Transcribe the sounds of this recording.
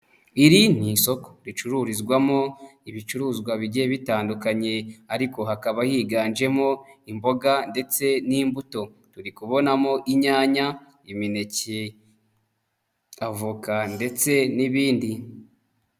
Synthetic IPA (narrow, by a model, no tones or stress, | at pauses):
iɾin̥iso̞ko̥ɾit͡ʃuɾuːɾizɡwamo̞iβit͡ʃuɾuːzɡwaβiɟieβitaːndukaɲe̞aɾiko̞ɦakaβajiːɡaːnd͡ʒe̞mo̞imbo̞ɡande̞t͡se̞niːmbuto̞ | tuɾikuβo̞namo̞ʔiɲaːɲa | imine̞ce | avukande̞t͡se̞niβiːndi